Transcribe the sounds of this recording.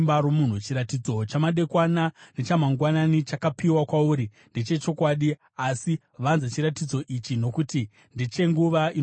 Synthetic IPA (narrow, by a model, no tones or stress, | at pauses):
mbaɾomun̤ut͡ʃiɾatid͡zo̞t͡ʃamaɗe̞kwanane̞t͡ʃamaŋɡwananit͡ʃakapiwakwauːɾi | ndet͡ʃe̞t͡ʃo̞kwaɗi | asi | ʋanzat͡ʃiɾatid͡zo̞ʔit͡ʃino̞kuti | ndit͡ʃe̞ŋɡuʋai